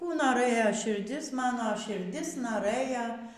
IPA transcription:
ˈkuː noːˈrɘjɛ ʃʲɪrʲˈdʲɪs ˈmɑːnoː ʃʲɪrʲˈdʲɪs noːˈrɘjɛ

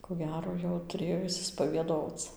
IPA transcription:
koː ˈɡʲæːroː jɛʊ tʊˈrʲeːjoː ɪʃʲsʲɪspɐʋʲiɛˈdoːt͡s

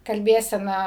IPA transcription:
kɐlʲˈbʲeːsʲɛnɐ

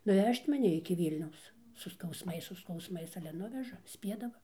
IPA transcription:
nʊˈʋʲɛʃʲtʲ mɐˈnʲɪ ɪkʲɪ ˈʋʲiːlʲnʲɛʊs sʊ skɐʊsˈmɐɪs sʊ skɐʊsˈmɐɪs ˈɑːlʲɛ ˈnʊʋʲɛʒɐ ˈsʲpʲiɛdɐʋɐ

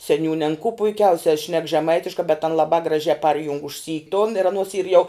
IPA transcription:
sʲɛˈnʲuːnʲ ɐn koː pʊɪˈkʲɛʊsʲɛ ʃʲnʲɛk ʒʲɛˈmɐɪtʲɪʃkɑː bʲɛt ɐn lˠɐˈbɑː ɡrɐˈʒʲæː ˈpɐrʲjʊŋk ʊʃʲˈsʲiː tʊn ɪr ɐˈnoːs iːr ˈjɛʊ

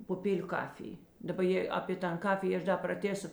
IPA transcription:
pʊˈpʲeːlʲʊ ˈkɑːfʲɪj dɐˈbɐ ˈjeː ɐpʲeː ˈtɐn ˈkɑːfʲɪjeː ˈɐʃ dɐ prɐˈtʲeːsoː

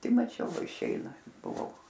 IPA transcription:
pɐˈtʲɪ mɐˈt͡ʃʲɛʊ ˈʋɐ ɪʃʲˈɛɪnɐ bʊˈʋɐʊ

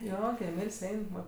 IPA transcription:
ˈjoː ɡʲɪ ɛmʲiːlʲsʲ ˈɛɪn ˈʋɐ

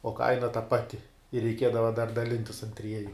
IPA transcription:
oː ˈkɐɪnɐ tɐ ˈpɑːtʲɪ ɪr rʲɛɪˈkʲiɛdɐʋɐ dɐr dɐˈlʲɪnʲtʲɪs ɐn ˈtʲrʲiɛjʊ

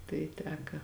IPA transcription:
tɐɪ ˈtʲæːkɐ

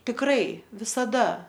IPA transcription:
tʲɪkˈrɐɪ ʋʲɪsɐˈdɐ

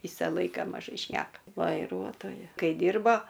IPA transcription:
ˈʋʲiːsɐ ˈlˠɐɪkɐ mɐˈʒɐɪ ˈʃʲnʲæːkɐ ʋɐɪˈruɔtoːjɛ ˈkɐɪ ˈdʲiːrboː

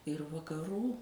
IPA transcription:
ɪr ʋɐkɐˈruː

